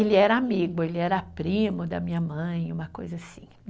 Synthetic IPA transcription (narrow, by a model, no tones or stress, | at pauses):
elɪɛɾɐamiɡʊelɪɛɾɐapɾĩmʊd̪ɐ̰mĩɲɐmɐ̃j̃ũmɐko̰jzɐasĩ̥